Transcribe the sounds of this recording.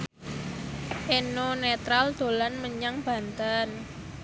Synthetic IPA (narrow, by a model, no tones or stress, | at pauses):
ʔenonet̪ɾald̪̥o̤lanməɲaŋb̥ä̤nt̪an